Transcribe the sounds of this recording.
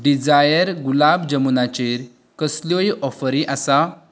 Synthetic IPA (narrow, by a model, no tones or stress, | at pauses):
ɖid͡zajəɾɡulabd͡ʑəmunat͡ɕeɾ | kəsljoiʔɔfəɾĩʔasa